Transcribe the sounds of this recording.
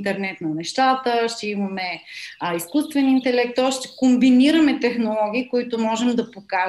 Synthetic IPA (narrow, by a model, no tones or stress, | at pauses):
nt̪ɛɾnɛt̪nɐnɛʃt̪at̪əʃt̪ɛimɐmɛiskust̪vɛnint̪ɛlɛk̚t̪ːɔasʃt̪ɛ̥kombiniɾɐmɛt̪ɛxnolˠɔɡ̟ʲiːkʊit̪ʊmɔʒɛmd̪ɐpoka